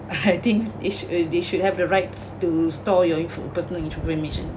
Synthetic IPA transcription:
at̪ĩŋkdeʃdeʃud̚hɛvdəɹaɪtstustɔjɔĩ | pəsənəlĩntɹupɹɛ̃nmiʃə̃n

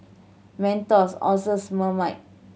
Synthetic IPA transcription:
mɛ̃ntɔsɔ̰sosməmaɪʔ̚

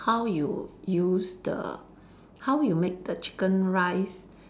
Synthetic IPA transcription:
hawjṵjusdə̰ | hawjumek̚dət͡ʃi̥kə̃nɹaɪs

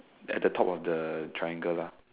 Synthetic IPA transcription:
ɛ̰t̚dətʰɔpɔfdətʰɹajãŋɡəla

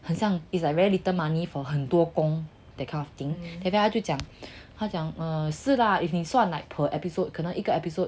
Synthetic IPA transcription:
hə̃nsjãŋislaɹɛilit̪əmãnifɔɦənt̪wɔkɔ̃ŋ | d̥̪ɛkʰãɔft̪ĩŋd̪ɛ̃fahatut͡ʃjãŋhat͡ɕjãŋəs̩laifniswãnlaɪpʰəʔɛpisot̚kʰənə̃ʔikəɛpisot̚

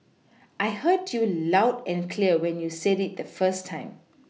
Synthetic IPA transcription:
ʔajhədjulaʊdɛ̃nkʰliəwɛ̃njusɛdit̚d̪əfəstʰãɪ̃m

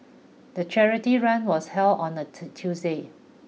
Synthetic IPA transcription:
dət͡ʃɛɹitiɹãnwɔshɛldɔ̃nətʰjusde

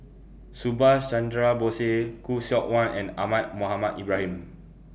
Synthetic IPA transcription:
subast͡ʃãndɹabosekusɔʔ̚wãnɛ̰̃na̰mat̚moɦamatibɹahĩm

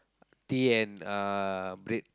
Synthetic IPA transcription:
t̪iɛ̃nabɾet̚

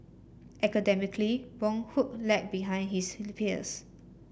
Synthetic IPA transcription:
ʔɛkədɛmikliwɔ̃ŋhuk̚lɛk̚biɦãj̃nhisfilipĩnə̰s

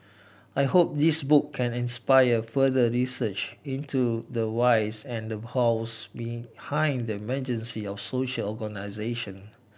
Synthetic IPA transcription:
ajhop̚d̪isbukʰːɛ̃nĩnspaɪəfədəɹisət͡ʃĩntʰudəwaɪsɛ̃ndəhasbihãɪ̃ndəmɛd͡ʒə̃nsiɔfsoʃəlɔɡənaɪzeʃə̃n

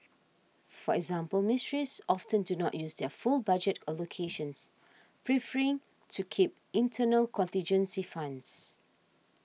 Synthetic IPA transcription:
fɔɛɡzãmpəlmɪstɹisɔftə̃ndunɔʔjusdɛfulbad͡ʒətəlokʰeʃə̃ns | pʰɹifəɹɪ̃ŋ | tʰukʰip̚ĩntʰənəlkʰɔ̃ntĩnd͡ʒə̃nsifãnds

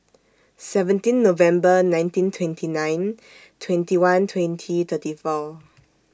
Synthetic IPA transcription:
sɛvə̃ntĩnːovɛ̃mbənãj̃ntĩntʰwɛ̃ntʰinãj̃n | tʰwɛ̃ntiwãntʰwɛ̃ntʰit̪ʰətifɔ

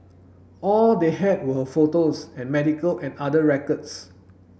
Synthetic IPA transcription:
ɔldeɦɛd̚wəhəfotosɛ̃nmɛdikəlʔɛ̃nadəɹɛkəds

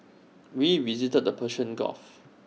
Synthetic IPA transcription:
wiwizitəd̚əpʰəʃə̃nɡɔ̰f

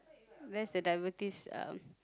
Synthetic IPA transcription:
dɛtsdədajəvətisã̰m

